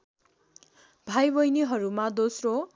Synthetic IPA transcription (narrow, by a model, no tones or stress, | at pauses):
bʱajbʌjniɦʌɾumad̪osro